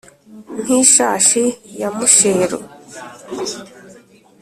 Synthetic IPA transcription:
n̥hiʃaːʃijamuʃeːɾo̰

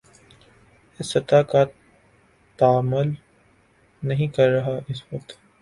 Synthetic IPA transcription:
ɪsɐt̪aːka | t̪aːməl | nɐɦĩkɐɾːɐɦaʔɪsʋɐk̚t̪

